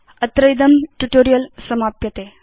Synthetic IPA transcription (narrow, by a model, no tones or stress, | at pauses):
ət̪ɾəjd̪əmʈuʈoːɾijəlsɐmapjɐt̪e